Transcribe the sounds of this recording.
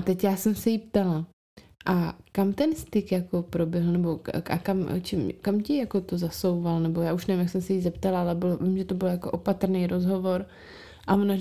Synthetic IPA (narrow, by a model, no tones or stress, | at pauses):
at̪ɛcjaːsɛmsɛjipt̪ala | ʔakamt̪ɛnst̪ɪkjako̞pɾo̞bjɛɦl̩nɛbo̞a̰kamt͡ʃɛmkamcɪjako̞t̪ozaso̞wvalnɛbo̞jaːuʃnɛvɪmjaksɛmsɛjizɛpt̪alaalɛbɪlovɪmʒɛt̪o̞bɪljako̞ʔo̞pat̪ɾnɛjɾʔo̞zɦo̞vo̞ɾ | ʔavona